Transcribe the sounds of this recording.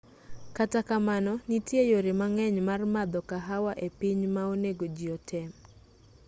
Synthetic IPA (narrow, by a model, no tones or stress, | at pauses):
katakamanɔnitjejoɾɪmaŋɛɲmarmad̪ɔkaɦawaʔepiɲmaoneɡod͡ʒiɔtʰɛm